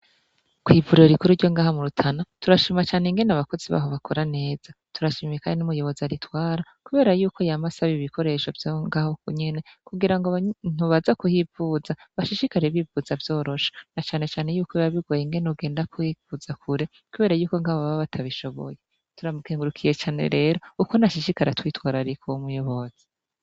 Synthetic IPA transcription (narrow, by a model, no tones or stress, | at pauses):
kwiːvuɾeɾikuɾuɾɟo̞ŋɡaːhamuɾutʰanatuɾaʃimat͡ʃaːneŋɡe̞naβako̞ziβa̰ːɦo̞βakʰo̞ɾane̞ːz̥atuɾaʃimiekanenumujo̞βo̞zaɾitwaːɾa | kuβe̞ːɾajuːko̞jamasaβiβikʰo̞ɾe̞ʃovjoŋɡaːhokuɲe̞ne̞kuɡiɾaŋɡon̥uβazakuhivuːzaβaʃiʃikaɾeβivuzavjo̞ːɾo̞ʃḁnat͡ʃaːne̞t͡ʃaːne̞juːkoβaβiɡwojiŋɡeneuɡe̞ːndakwivuzakʰuɾe | kuβe̞ːɾajuːko̞ŋɡaːββaβatʰaβiʃo̞βo̰je̞ | tuɾamukeːŋɡuɾukʰije̞t͡ʃaːnḛɾe̞ːɾo̞ukonaʃiʃikaɾetwiːtwaːɾaɾikʰowomujo̞βo̞z̥i̥